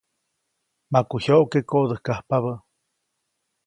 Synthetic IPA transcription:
makuhoʔkekoʔd̪əhkahpaβə

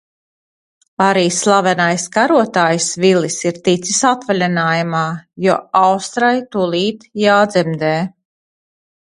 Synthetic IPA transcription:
aɾiːslˠavɛnajskaɾuɔt̪aːjsvilisiɾt̪it̪sisat̪valʲɛnaːjamaːjuɔawst̪ɾajt̪ulˠiːt̪jaːd̪zɛmd̪ɛː

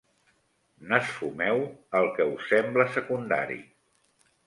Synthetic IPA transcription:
nəsfumɛwəlˠkəusɛmbləsəkund̪a̰ɾḭ

